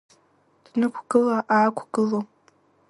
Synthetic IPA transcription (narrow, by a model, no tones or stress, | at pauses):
d̥nɨkʷʰɡɨlaʔaːkʷʰɡ̥ɨlo